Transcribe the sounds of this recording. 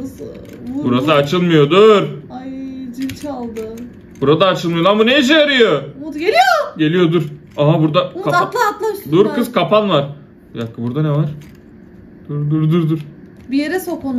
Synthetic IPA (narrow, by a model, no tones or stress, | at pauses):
buɾasɯat͡ʃʰɯlˠmɯjo̞d̪uɾajd͡ʒilʲt͡ʃʰalˠd̪ɯ | buɾad̪aːt͡ʃʰɯlˠmɯjolˠanbunejiʃ̬ejaɾɯjomud̪ɡelʲijoɟe̞lʲijo̞d̪uɾ | aɦabuɾd̪aaat̪lˠaat̪lˠamʃd̪uɾkɯzkʰapanvaɾ | jakːɯbuɾd̪anevaɾ̥ | d̪̥uɾd̪uɾd̪uɾd̪uɾ | bijeɾɛsokn